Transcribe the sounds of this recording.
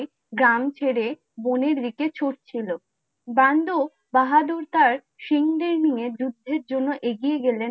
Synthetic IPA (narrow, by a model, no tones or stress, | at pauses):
ɡɾamt͡ɕʰeɽe | boneɾːiket͡ɕʰoʈ̚t͡ɕʰilo | band̪o | baɦad̪uɾt̪aɾ | ʃiŋd̪eɾnijed͡ʑud̪ːeɾd͡ʑonːoʔeɡijeɡelen